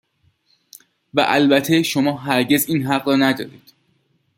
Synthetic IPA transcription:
væ̰ʔælbæt̪ʰe̞ʃo̞mɒːɦæɾɟe̞ziːnɦæɢrɒːnæd̪ɒːɾiːd̪̥

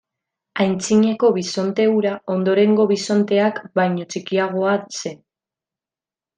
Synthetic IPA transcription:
ajnt͡siɲe̞ko̞β̞iso̞nt̪e̞uɾao̞nd̪o̞ɾe̞ŋɡo̞β̞iso̞nt̪e̞akbajɲo̞t͡sikiaɣ̞o̞ase̞

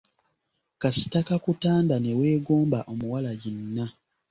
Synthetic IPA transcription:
kasi̥takakutaːndane̞we̞ːɡoːmbaʔo̞muwalaɟinːa

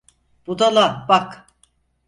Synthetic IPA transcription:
b̥ud̪alˠabak

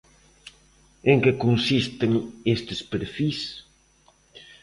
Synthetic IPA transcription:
eŋkekonsist̪eŋest̪ɪspeɾfis

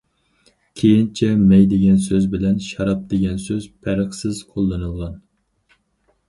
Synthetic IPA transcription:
kʲʰejint͡ʃʰɛmɛjd̪eɡʲɛnsøzbɪlɛnʃɑɾɑp̚d̪̥eɡʲɛnsøz̥pʰæɾəχsɪz̥qʰolˠːɨnɨlˠʁɑn

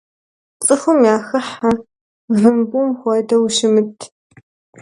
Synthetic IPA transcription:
t͡sʼɨxʊmjaːxɐħa | vɨmbumxʷɑdɐwʃɪmɨtʰ

